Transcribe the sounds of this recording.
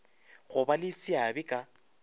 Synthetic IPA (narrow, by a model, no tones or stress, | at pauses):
ɣʊbalɪsiabɪkʼa